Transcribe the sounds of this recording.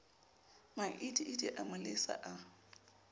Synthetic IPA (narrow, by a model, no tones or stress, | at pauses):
maʔidʼiʔɪdiʔamalɪsa̰ʔa